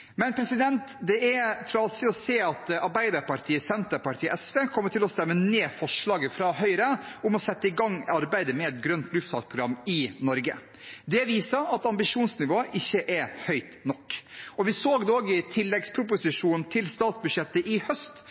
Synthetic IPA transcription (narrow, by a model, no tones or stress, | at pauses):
mɛnpʰɾɛsɪd̪ɛnt̪d̪ɛɛɾt̪ʰɾɑːlsɪɔseːɑt̪ɑɾbæɪd̪ɑɾpɑɾʈ̪ʰiːəsɛnt̪əɾpɑɾʈʰiːʔɛsʋeːkʰɔmːəʈʰɪlɔst̪ɛmːəneːfɔʂɭɑːɡəfɾɑːɦœʏɾəʊmɔsɛt̪ːəɪɡɑŋːɑɾbæɪd̪əmɛɛt̪̚ɡɾœnt̪lʉft̪fɑːt̪̚pʰɾʊɡɾɑmːɪnɔɾɡə̰ | d̪ɛʋiːsəɑt̪ɑmbɪʂuːnsnɪʋoːəʔɪçːəʔɛɾhœʏt̪nɔkːɔʋɪsoːɡd̪oːɡɪt̪ʰɪlːɛɡspʰɾʊp̬ʊsɪʂuːnnt̪ʰɪlst̪ɑːt̪sbʉʂɛt̪ːəʔɪhœst̪